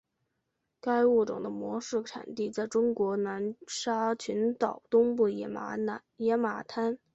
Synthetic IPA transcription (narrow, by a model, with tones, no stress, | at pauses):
ka˥ɪu˥˩ʈ͡ʂʊ̰˨˩ŋd̪ə˦mwɔ˧˥ʂɻ̩˥˩ʈ͡ʂʰa̰˨˩nt̪i˥˧t͡sa˥˩ɪʈ͡ʂʊ˥ŋkwɔ˧˥na˧˥nʂa˥t͡ɕʰy˧˥nt̪ɑ˨˩ʊt̪ʊ˥ŋp̬u˥˩ | jɛ˧˥ma˨˩t̪ʰa˥n